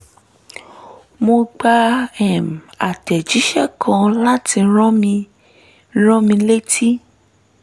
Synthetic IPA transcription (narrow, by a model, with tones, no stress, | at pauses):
mo˧ɡ͡ba˧ɛ˨ma˨tɛ˨d͡ʒi˨˦ʃɛ˦˨kʰã˧la˦ti˧˦ɾɔ̃˦mĩ˧˦ | ɾɔ̃˦mĩ˧le˦tʰi˦